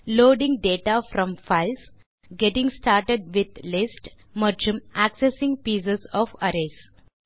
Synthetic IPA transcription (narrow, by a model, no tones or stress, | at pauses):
loːɖĩŋɡ̚ɖeːʈafɾɔ̃mfaɪls | ɡeʈɪ̃ŋɡsʈaːɾʈeɖ̚ʋɪd̪lɪsʈ | mʌɾd͡ʒə̃mæksesɪ̃ŋɡpiːs̬ezɔfəɾes